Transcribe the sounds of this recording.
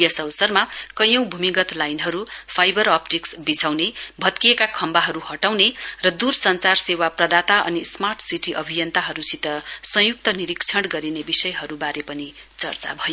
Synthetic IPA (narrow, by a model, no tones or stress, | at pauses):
jʌsʌwsʌrmakʌjʌ̃w̃bʱumiɡʌt̪lajnɦʌɾupʰajbʌɾʌpʈiksbisʰawnebʱʌt̪kijekakʰʌmbaɦʌɾuhʌʈawnerʌd̪ursʌnt͡sarsewaprʌd̪at̪aʌ̰nismarʈʰsiʈiʔʌbʱijʌnt̪aɦʌɾusit̪ʌsʌjuk̚t̪ʌniɾikt͡sʰʌɽɡʌɾinebisʌjɦʌɾubaɾepʌni | t͡sʌ̰rt͡sa̰bʱʌjo